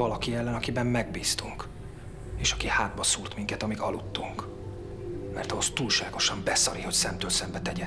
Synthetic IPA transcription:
vɒlɒkiɛlːɛnɒkibɛmːɛɡ̚biːst̪uŋk | eːʃɒkihaːd̪bɒsuːrt̪miŋkɛt̪ɒmiɡɒlut̪ːuŋk | mɛ̰rt̪ɒɦo̞st̪uːlʃaːɡo̞ʃɒmbɛsɒɾiho̞csɛmt̪øːlsɛmbɛt̪ɛɟɛ

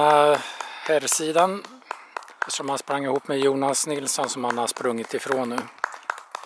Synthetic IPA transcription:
ahɛːɾsiːd̪an | ʂɔmhanspɾaŋːɪhuːpːmɛjuːnasnɪlsɔnsɔmhanhad̪əspɾɵŋːɪt̪ɪfɾoːnːʉ̟ː

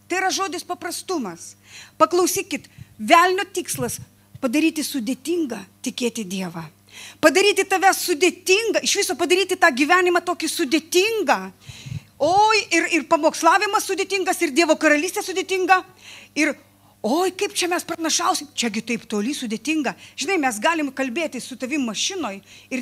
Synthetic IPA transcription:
t̪ɐɪɪɾɐʒoːd̪ʲɪspɐpɾɐst̪ʊmɐspɐklˠɐʊsʲiːkʲɪt̪ʋʲæːlʲnʲoːt̪ʲiːkslˠɐs | pɐd̪ɐɾʲiːt̪ʲɪsʊd̪ʲeːt̪ʲiːŋɡɐt̪ʲɪkʲeːt̪ʲɪd̪ʲiɛʋɐ | pɐd̪ɐɾʲiːt̪ʲɪt̪ɐʋʲɛsʊd̪ʲeːt̪ʲɪŋɡɐɪʃʋʲɪsoːpɐd̪ɐɾʲiːt̪ʲɪt̪ɑːɡʲiʋʲæːnʲɪmɐt̪oːkʲɪsʊd̪ʲeːt̪ʲɪŋɡɐ | oːjɪrɪrpɐmoːkslˠɑːʋʲɪmɐssʊd̪ʲeːt̪ʲɪŋɡɐsɪrd̪ʲiɛʋoːkɐɾɐlʲiːsʲt̪ʲeːsʊd̪ʲeːt̪ʲɪŋɡɐ | ɪr | oːjkɐɪpt͡ʃʲɛmʲɛsprɐnɐʃɐʊsʲɪmt͡ʃʲɛɡʲɪt̪ɐɪpt̪oːlʲisʊd̪ʲeːt̪ʲɪŋɡɐʒʲɪnɐɪmʲɛs̬ɡɑːlʲɪmkɐlʲbʲeːt̪ʲɪsʊt̪ɐʋʲɪmmɐʃʲɪnoːjɪ

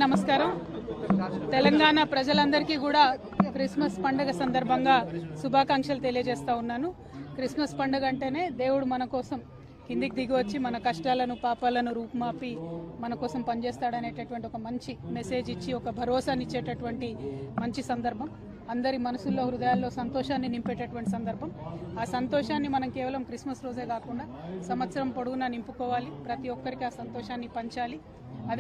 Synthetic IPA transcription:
nɐmɐskaːɾɐm | t̪ɛlɐŋɡaːɳapɾɐd͡ʒɐlɐnd̪ɐɾikiːkuːɽaː | kɾismɐspɐɳɖɐɡɐsɐnd̪ɐɾbʱɐŋɡaːsubʱaːkaːŋkʂɐlut̪e̞lijɐd͡ʒɛːst̪aːunːaːnu | kɾismɐspɐɳɖɐɡɐɳʈe̞ːne̞ːd̪e̞ːwuɽumɐnɐkɔːsɐm | kind̪ik̚d̪iɡiʋɐt͡ʃːimɐnɐkɐʂʈaːlɐnupaːpaːlɐnuɾuːpmaːpimɐnɐkɔːsɐmpɐnit͡ʃeːst̪aːɽɐne̞ːʈɐʈuʋɐɳʈiɔkɐmɐɲt͡ʃime̞se̞ːd͡ʒit͡ʃːiɔkɐbʱɐɾɔːsaːnit͡ʃːeːʈɐʈuʋɐɳʈimɐɲt͡ʃisɐnd̪ɐɾbʱɐm | ɐnd̪ɐɾimɐnɐsulːo̞ːɾud̪ɐjaːlːo̞ːsɐnt̪ɔːʂaːnːinimpeːʈːɐʈuʋɐɳʈisɐnd̪ɐɾbʱɐmaːsɐnt̪ɔːʂaːnːimɐnɐmkɛːʋɐlɐmkɾismɐsɾoːd͡ʒeːkaːkuɳɖaːsɐmʋɐt̪sɐɾɐmpoɽuɡunaːnimpukɔːʋaːlipɾɐt̪iɔkːɐɾikiaːsɐnt̪ɔːʂaːnːipɐɲt͡ʃaːli | ɐd̪

